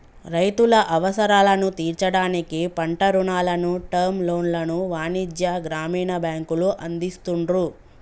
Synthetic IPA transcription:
ɾɐjt̪ulɐʔɐʋɐsɐɾaːlɐnut̪iːɾt͡ʃɐɽaːnikipɐɳʈɐɾuɳaːlɐnuʈɐɾmlo̞ːnlɐnuʋaːnid͡ʒjɐɡɾaːmiːɳɐbjaːŋkuluʔɐnd̪ist̪uɳɾu

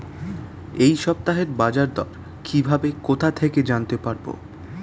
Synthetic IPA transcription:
ejʃɔp̚t̪aɦeɾbad͡ʑaɾd̪ɔɾ | kʰibʱabekot̪ʰat̪ʰeked͡ʑant̪epaɾbo̰

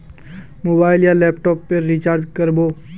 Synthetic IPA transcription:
moːbaːɪljalɛːpʈɔːpːeɾːit͡ʃaːɾɖkəɾboː

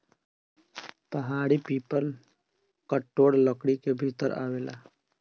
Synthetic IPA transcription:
pɐɦaːɽipiːpəl | kəʈːoːɽləkɽikebʱiːt̪əɾa̰ːʋeːla̰ː

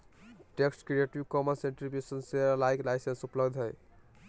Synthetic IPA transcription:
ʈeksʈkɾieʈiwkɔmənsẽɳʈɾipesənseɾlajklaɪsensupləbd̪ʱɦəj

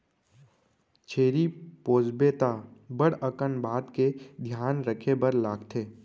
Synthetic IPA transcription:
t͡ʃʰeːɾipoːd͡ʒbeːt̪abəɽəkənbʱaːd̪ked̪ʱjaːnɾəkʰebəɾlaːɡt̪ʰeː

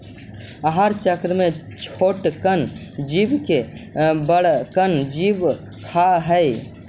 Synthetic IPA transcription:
əɦaɾt͡ʃəkɾmet͡ʃʰoʈkənd͡ʒibkebəɽkənd͡ʒib | kʰaɦəj

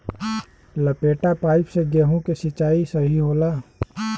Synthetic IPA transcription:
lɐpeːʈapaːɪpseɡeɦõkesɪt͡ʃaːisɐɦiɦoːlaː

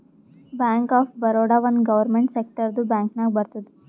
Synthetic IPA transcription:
baŋkaːfbəɾoɽaʋənɡɐʋəɾmeɳʈsek̚ʈəɾd̪ubãːŋknaːk̚bəɾt̪od̪u

